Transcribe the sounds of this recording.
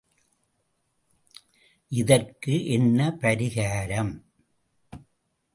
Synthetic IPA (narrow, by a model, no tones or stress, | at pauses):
ʔɪðɐrkɯʔɛnːɐpɐɾɪɣaːɾɐm